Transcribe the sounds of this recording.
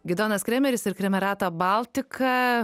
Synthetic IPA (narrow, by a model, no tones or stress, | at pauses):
ɡʲɪd̪oːnɐskɾʲɛmʲɛɾʲɪsɪɾkɾʲɛmʲɛɾɑːt̪oːbɐlˠʲt̪ʲɪkɐ